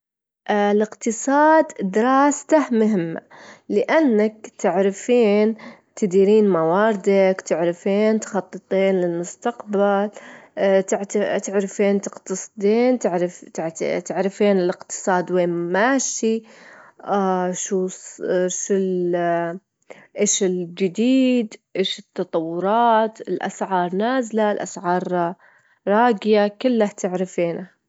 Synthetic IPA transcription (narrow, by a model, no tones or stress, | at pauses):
ʔlɪqt̪ɨsˤɑːd̪d̪ɪɾˤɑːst̪ahmʊɦɪmːa̰lɪʔanːak̚t̪ɪʕɾɪfiːnt̪ɪd̪iːɾiːnmawɑːɾɪd̪akt̪ɪʕɾɪfiːnt̪xɑt̪ˤːɨt̪ˤiːnlɪlmʊst̪aqbal | t̪ʕt̪t̪ɪʕɾafiːnt̪ɪqt̪ɑsˤd̪iːnt̪ɪʕɾɪft̪ʕt̪ɪʕɾɪfiːnɪlɪqt̪ɨ̥sˤɑːd̪weːmaːʃi | aʃu | ʃul | ʔeːʃɪld͡ʒɪd̪iːd̪ʔeːʃɪt̪ːɑt̪ˤɑwːʊɾˤɑːt̪ɪlʔa̰sʕɑːɾˤnaːzlaɪlʔa̰sʕɑːɾˤ | ɾˤɑːɡɪjakɪlːaht̪ɪʕɾɪfiːna